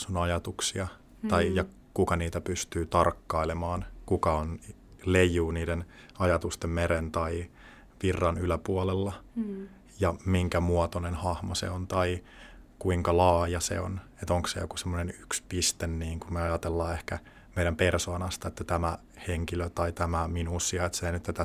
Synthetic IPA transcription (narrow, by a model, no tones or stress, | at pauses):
sunɑjɑt̪uksiɑ | t̪ɑijɑ | kukɑniːt̪æpyst̪yːt̪ɑrkːɑilemɑːnkukɑon | lejuːniːdenɑjɑt̪ust̪emmeɾent̪ɑi | ʋirːɑnylæpuɑlelːɑ | jɑmiŋkæmuɑt̪onenhɑhmosḛont̪ɑi | kuiŋkɑlɑːjɑsḛo̰net̪oŋksḛjo̰kusemːonenykspist̪enːiːŋkumeɑjɑt̪elːɑːehkæ | meiɾæmpersoːnɑst̪ɑet̪ːæt̪æmæ | heŋkiløt̪ɑit̪æmæminuːsːiɑet̪seinyt̪t̪ːæt̪æ